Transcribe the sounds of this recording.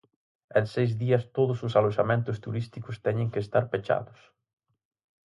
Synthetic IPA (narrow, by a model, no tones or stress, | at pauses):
ɛlsːejzðiɐst̪oðʊsʊsaloʃamẽnt̪ʊst̪uɾist̪ikʊst̪ɛɲɪ̃ŋkɪest̪aɾpet͡ʃa̰ðʊs